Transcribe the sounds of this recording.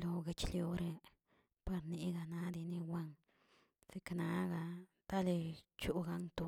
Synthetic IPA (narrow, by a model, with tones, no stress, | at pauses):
lo˧ɡe˧t͡ʃljo˧ɾe˧ | pa˧ɾni˧ɡa˧na˧˦d̪i˧ni˧wʷa˦ŋ | se˧kna˧˦ɡa˧ | t̪a˦le˧t͡ʃu˦ɡa˧ŋt̪o˧